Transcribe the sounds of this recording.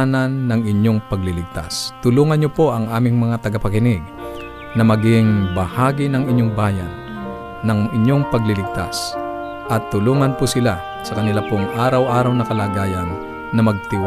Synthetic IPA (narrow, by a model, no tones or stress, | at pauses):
nɐnːɐŋʔɪɲːoŋpɐɡlɪlɪɡ̚t̪a̰st̪ʊluːŋɐnɲopo̞ʔɐŋʔaːmɪŋmɐŋat̪ɐɡapɐkɪnɪɡ̚ | nɐmɐɡɪŋbɐhaːɡɪnɐŋɪɲːoŋbaːjanː | ɐŋʔɪɲːoŋpɐɡlɪlɪɡ̚t̪as | ʔɐt̪ːʊluːŋɐnpʊsɪla | sɐkɐnɪlapʊŋʔaːɾɐwʔaːɾawnɐkɐlaːɡaːjanː | ɐmɐɡ̚t̪ɪw